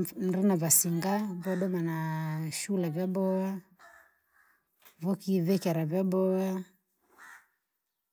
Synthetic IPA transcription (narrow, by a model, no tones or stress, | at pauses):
m̩ɾinavasiŋɡavɔɗɔmanaʃulɛvjabɔwa | vɔkiðɛkaɾavabɔwa